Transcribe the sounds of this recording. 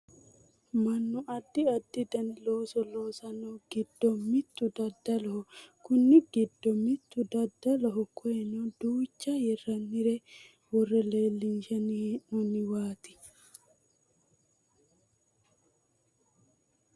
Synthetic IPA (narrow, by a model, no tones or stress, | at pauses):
mɐnːʊɐd̪ːɪɐd̪ːɪd̪ɐnloːsɔloːsɐnoɡ̥ɪd̪ːɔmːɪt̪ːʊd̪ɐd̪ːɐlɐhɔkʊnːɪɡɪd̪ːɔmɪt̪ːʊd̪ɐd̪ːɐlɐɦɔkʰɔɛnɔd̪uːt͡ʃːɐjɛrːɐnːɪɾɛ | wɔrːɛle̞ːlːɪnʃɛninɔnːɪwaːt̪ɪ̥